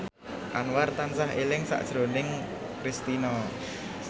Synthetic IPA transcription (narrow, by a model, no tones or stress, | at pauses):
ʔanwart̪ansaɦelɪŋsa̰ʔd̥ʒ̥ɾo̤nɪŋ | kɾist̪inɔ